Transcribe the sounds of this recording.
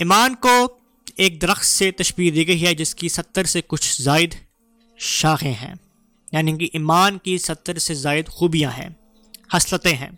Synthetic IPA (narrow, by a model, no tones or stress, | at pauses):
ɪmaːnko | eːk̚d̪ɐɾəxt̪set̪ɐʃbiːkd̪iːɡɐɦiɦɛd͡ʒɪskisɐt̪ːəɾsekʊt͡ʃʰzaːɪd̪ | ʃaːxẽɦɛ̰̃ː | jaːnikiʔɪːmaːnkisɐt̪ːəɾsezaːɪd̪xuːbijãɦɛ̰̃ː | hɐslət̪ẽɦɛ̰̃ː